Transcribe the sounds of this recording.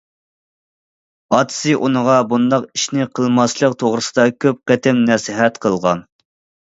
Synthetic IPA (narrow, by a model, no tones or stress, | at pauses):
ɑt̪ʰɨ̥sɨʔunəʁɑbund̪ɑqiʃnɪqʰəlˠmɑslˠəq̚t̪ʰoʁɾɨsɨd̪ɑkʲʰøp̚qɛt̪ʰɪmnɛsɪɦɛt̪qʰəlˠʁɑ̰n